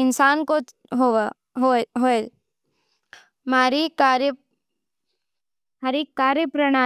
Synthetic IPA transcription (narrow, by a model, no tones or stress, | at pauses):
ɪnsaːnko | ɦo | ɦɦoe | maːɾikaɾjə | hɐɾeːkːaːɾjəpɾɐɽ̃aː